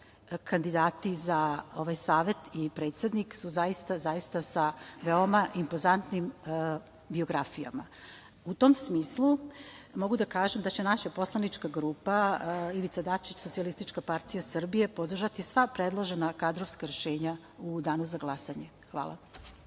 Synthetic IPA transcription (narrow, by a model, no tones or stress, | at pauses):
kʰand̪id̪aːt̪izao̞ʋajsaːʋe̞t̪ipɾe̞ːt̪se̞d̪niksuzaist̪azaist̪asaʋeo̞maʔimpo̞zant̪nim | bio̞ɡɾafija̰ma | ut̪o̞msmiːslˠumo̞ɡud̪akaːʒemd̪at͡ɕe̞naʃapo̞slˠanit͡ʃkaɡɾuːpaiʋit̪sad̪at͡ʃit͡ɕsot̪sialist̪it͡ʃkapaɾt̪ijasr̩bije̞po̞d̪r̩ʒat̪isʋapɾed̪lˠoʒenakad̪ɾoʋskaɾeʃeːɲa | ud̪aːnuzaɡlˠasaɲe | xʋa̰ːlˠa̰